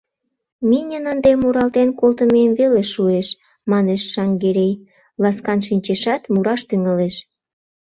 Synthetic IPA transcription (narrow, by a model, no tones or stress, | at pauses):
minʲənɑnd̪emuɾɑlt̪enkolt̪ə̆memveleʃueʃ | mɑneʃːɑŋɡeɾʲej | lɑskɑnʃinʲt͡ɕeʃɑt̪muɾɑʃt̪yŋəleʃ